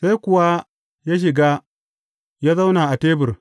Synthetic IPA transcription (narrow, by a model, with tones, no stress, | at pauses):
sa˦jkʷʊ˨wa˦ | ja˦ʃ̬ɪ˨ɡa˦ | ja˦za˦wnaː˨ʔa˨teː˦bɪ˨r